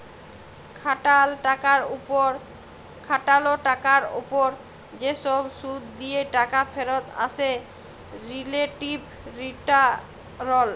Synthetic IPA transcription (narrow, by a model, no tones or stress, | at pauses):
kʰaʈalʈakaɾuɾ | kʰaʈaloʈakaɾo̰poɾ | d͡ʑeʃɔbʃud̪d̪ieʈakafʰeɾot̪a̰t͡ɕʰe | ɾileʈib | ɾiʈa | ɾɔl